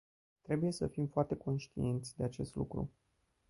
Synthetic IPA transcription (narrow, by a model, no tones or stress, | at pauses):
t̪ɾe̞buje̞səfimfoart̪e̞ko̞nʃt̪ḭe̞nt̪sʲd̪e̞at͡ʃe̞st̪lṵkɾṵ